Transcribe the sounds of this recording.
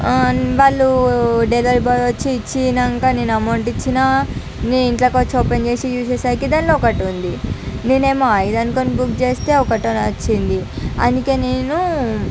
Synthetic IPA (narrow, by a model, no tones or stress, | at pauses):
ʋaːɭːuɖelɐɾʈbaːd̪ɐt͡ʃːiːt͡ʃːinɐŋkaːneːnuɐmɐwɳʈit͡ʃːinaː | neːniɳʈlaːkot͡ʃoːpend͡ʒeːsijuːseːsajkid̪aːnloɔkɐʈund̪ineːne̞ːmaːjid̪ɐnkonibukt͡ʃe̞ːst̪e̞ːɔkɐʈonɐt͡ʃːind̪iɐ̰nd̪uke̞ːneːnu